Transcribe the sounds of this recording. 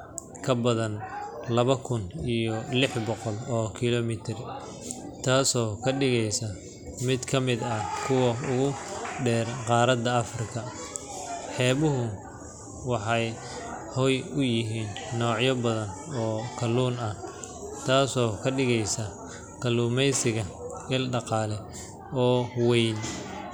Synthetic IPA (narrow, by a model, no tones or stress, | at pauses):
kʰɐbɐðɐnlɐβɐkʰʊnijɔlɪħbɔqɔlɔːkʰɪlɔmɪt̪ʰɪr | t̪ʰaːsɔːkʰɐɖɪɣɛjsɐ | mɪd̪kʰɐmɪd̪ɐkʰʊwɐʊɣʊɖɛːrqɑːɾɐd̪ɐɐfrɪkʰɐ | ħɛːβʊɦʊ | wɑħɑj | hɔjʊjɪɦiːnːɔːʕjɐbɐðɐn | ɔːkʰɐlːuːnɐt̪ʰaːsɔːkʰɐɖɪɣɛjsɐ | kʰɐluːmɛjsɪɣɐ | ɪlɖɑqɑːlɛ | ɔːwɛjn